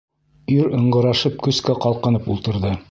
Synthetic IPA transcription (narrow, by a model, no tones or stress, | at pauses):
iɾɤ̆ɴɢɤ̆ɾɑʃɤp̚kɵ̆skæqɑlˠqɤ̆nɤpulˠt̪ɤ̆ɾðɤ